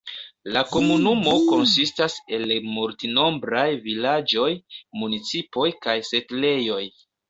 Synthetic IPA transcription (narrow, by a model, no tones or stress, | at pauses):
lako̞munumo̞ko̞nsistase̞lmultino̞mbɾajvilad͡ʒo̞jmunit͡sipo̞jkajse̞tle̞jo̞j